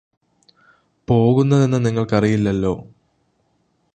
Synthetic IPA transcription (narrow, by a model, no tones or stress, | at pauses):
po̞ːɣunːɐðe̞nːɨniŋːɐɭkɐrijilːɐlːo̞ː